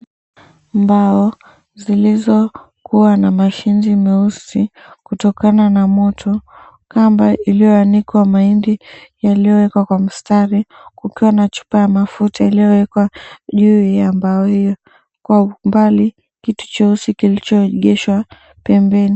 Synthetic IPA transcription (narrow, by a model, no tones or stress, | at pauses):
mbaɔ | zilizɔ | kuwanamaʃinzimɛusi | kutɔkananamɔtʰɔ | kambailijɔanikwamaindijalijɔwɛkwakwam̩staɾikukiwanat͡ʃu̥pajamafutailijɔwɛkwaʄujambaɔhijɔ | kwaumbali | kitu̥t͡ʃɔusikilit͡ʃɔɠɛʃwa | pɛmbɛni